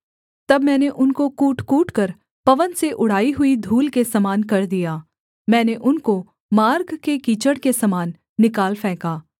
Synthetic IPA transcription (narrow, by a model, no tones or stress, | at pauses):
t̪ɐbmɛ̃ːneʔʊnkokuːʈkuːʈkɐɾ | pɐʋənseʔʊɽ̤aːiɦʊid̪ʱuːlkesɐmaːnkɐɾd̪ijaː | mɛ̃ːneʔʊnko | maːɾɡkekiːt͡ʃəɽkesɐmaːnː | ɪkaːlfɛ̃ːkaː